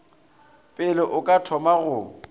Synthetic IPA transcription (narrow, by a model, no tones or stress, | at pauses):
pʼɪlɪʔʊkʼatʰɔmaɣʊ